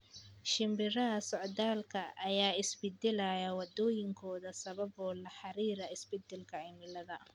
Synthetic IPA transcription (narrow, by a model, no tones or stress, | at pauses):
ʃɪmbɪɾɐɐsɔʕd̪aːlkʰɐʔːjaːɪsbɪd̪ɪlɐjɐwɐd̪ɔːjɪŋkʰɔːðɐsɐβɐbɔːlɐħɑɾiːɾɐɪsbɪd̪ɪlkʰɐɪmɪlɐðɐ